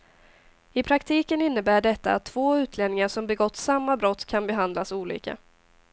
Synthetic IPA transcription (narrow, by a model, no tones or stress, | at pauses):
ɪpʰɾakt̪ʰiːkənɪnːəbæːɖɛt̪ːa̰at̪ʰːv̥oːʉ̟ːt̪ʰleːd̪nɪŋaʂɔmbɛɡɔt̪ːsamːabɾɔt̪ːkʰanbɛɦand̪lasuːlḭːka̰